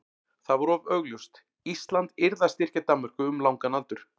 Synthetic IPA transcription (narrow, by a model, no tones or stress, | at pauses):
θavɔɾɔvœɥɣljust̪ | ist̪lant̪ɪɾðast̪ɪr̥cat̪amːœr̥kʏʏmlawŋkanalt̪ʏɾ̥